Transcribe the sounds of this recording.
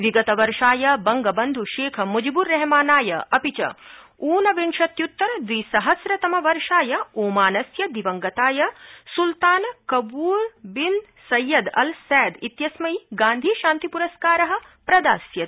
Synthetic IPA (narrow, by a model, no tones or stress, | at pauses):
ʋiɡɐt̪ɐʋɐɾʃaːjɐbɐŋɡɐbɐnd̪ʱuʃeːkʰɐmud͡ʒibuɾːɛɦmaːnaːjɐʔɐpit͡ʃɐ̰ | uːnɐʋinʃɐt̪jut̪ːɐɾd̪ʋiːsɐɦɐsɾɐt̪ɐmɐʋɐɾʂaːjɐoːmaːnɐsjɐd̪iʋɐŋɡɐt̪aːjɐsult̪aːnkɐbuːɾbin | sɐjːɐd̪ɐ̰lsɛːd̪it̪jɐsmɐjɡaːnd̪ʱiːʃãːnt̪ipuɾɐskaːɾɐɦɐ̆ | pɾɐd̪aːsjɐ